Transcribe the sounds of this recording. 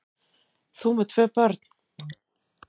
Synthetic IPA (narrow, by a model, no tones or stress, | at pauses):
θumɛt̪ʰvœːpœɾt̪n̥